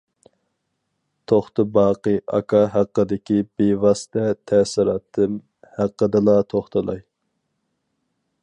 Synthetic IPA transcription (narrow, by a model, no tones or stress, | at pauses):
t̪ʰoχt̪ɨbɑːqɨɑ̰kʰɑɦæqːəd̪ɪkʲibewɑsɨ̥t̪ʰɛt̪ʰɛsɪɾɑːt̪ʰːɨm | hæqːəd̪ɨlˠɑt̪ʰoχt̪ʰɨlˠɑj